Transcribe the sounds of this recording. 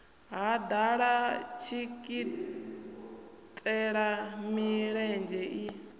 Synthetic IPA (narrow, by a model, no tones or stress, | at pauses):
ɦad̪aɺat͡ʃʰikʼi | tʼɛɺamiɺɛnd͡ʒɛʔi